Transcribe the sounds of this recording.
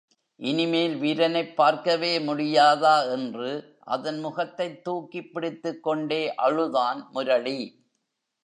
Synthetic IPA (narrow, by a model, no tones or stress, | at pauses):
ʔɪnɪmeːlʋiːɾɐnɐɪpːaːɾkɐʋeːmʊɽɪjaːðaːɛndrɯ | ʔɐ̰ðɐnmʊɣɐt̪ːɐɪt̪ːuːkːɪpːɪɽɪt̪ːɯkːɔɳɖeːʔɐɻɯðaːnmʊɾɐɭi